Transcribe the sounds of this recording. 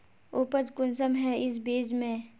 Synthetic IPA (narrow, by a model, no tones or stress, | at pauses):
ʊpəd͡ʒkʊnsəmɦɛʔɪs̬beːd͡ʒmẽː